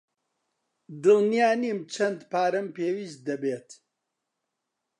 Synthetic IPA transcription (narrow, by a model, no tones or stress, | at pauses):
d̪ɨlnijaːnimt͡ʃʰɐnd̪paːɾɨmpeːwiːst̪̚d̪ɐbeːt̪